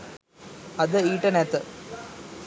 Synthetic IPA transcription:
ɐðɨiːʈːɐneːt̪ːɨ

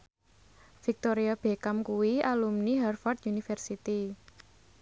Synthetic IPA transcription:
fik̚t̪oɾiab̥e̤kamkuwialumniɦɛrfɔrt̪junifɛrsit̪i

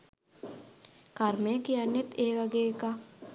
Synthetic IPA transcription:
kaɾmejəkijanjet̪eːʋaɡeːka

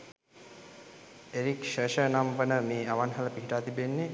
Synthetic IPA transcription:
eɾikʃɾəʃənampənəmeːaʋanɦaləpiɦiʈaːt̪ibenːe

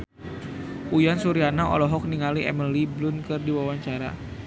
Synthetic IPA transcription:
ʔujansuɾianaɔ̰lɔɦɔk̚niŋaliʔɛ̰məliblʊnkɨrdiwawaɲt͡ʃaɾa̰

